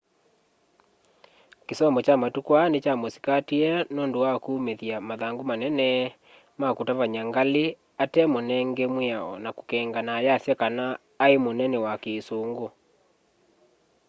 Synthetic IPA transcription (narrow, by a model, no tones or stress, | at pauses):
kesɔmbɔt͡ʃamatukwanet͡ʃamosi̥katiɛnoːndowakuːmeðjamaðaŋɡomanɛnɛ | makotavaɲaŋɡale | atɛmonɛŋɡemweaɔ̰nako̥kɛŋɡanaːjasjakanaː | emonɛnɛwakeːsoŋɡo